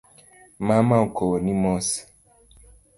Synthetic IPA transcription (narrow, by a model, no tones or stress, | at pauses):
mamaokonimɔs